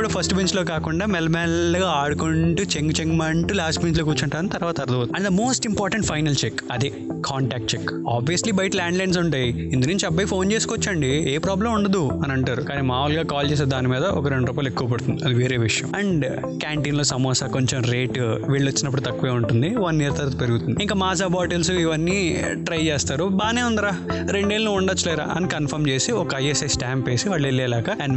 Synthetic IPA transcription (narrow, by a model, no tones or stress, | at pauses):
pːuɽɐpʰɐsʈbeɲt͡ʃlo̞ːkaːkuɳɖaːmɛlmaːnlɐɡaaːɽukoɳʈut͡ʃeŋɡt͡ʃeŋɡmɐɳʈulaːsʈbeɲt͡ʃloːkuːt͡ʃɐɳʈaːnit̪ɐɾʋaːt̪ɐɾɐd̪ɐʋot̪ɐnd̪ɐmo̞ːsʈimpaːɾʈɐɳʈpʰɐjnɐlt͡ʃekːɐd̪i | kʰaːɳʈaːk̚ʈ̚t͡ʃekaːbʋijɐslibɐjʈlaːɳɖlɐjns̬uɳʈaːji | ind̪unuɲt͡ʃiɐbːɐjpʰo̞ːnt͡ʃe̞ːskɔt͡ʃːɐɳɖieːpɾaːblɐmuɳɖɐd̪uɐnɐɳʈaːɾukaːniːmaːulɡaːkaːlt͡ʃeːs̬eːd̪aːnimiːd̪ɐʔɔkɐɾe̞ɳɖɾuːpaːlekːuʋɐpɐɽt̪und̪iɐd̪iʋeːɾeːʋiʂjɐ̰mɐɳɖ | kaːɳʈiːnloːsɐmɔːsaːkoɲt͡ʃemɾeːʈʋiːɭːɐt͡ʃːinɐp̬ːɽut̪ɐkːuʋeːuɳʈund̪iʋaːniniːɾɐt̪ʰɐɾɐt̪upeɾuɡut̪und̪iiŋkɐːmaːsaːbaːʈelsuiʋɐnːiː | ʈɾɐjt͡ʃeːst̪aːɾubaːneːund̪ɐɾaːɾe̞ɳɖeːlɐnuuɳɖɐt͡ʃːɐlɛːɾa̰ːʔɐ̰nikɐnpʰɐɾmt͡ʃe̞ːsiɔkɐɐjesɐsʈaːmpeːsiʋaːɭːelːɛːlaːkɐɐɳ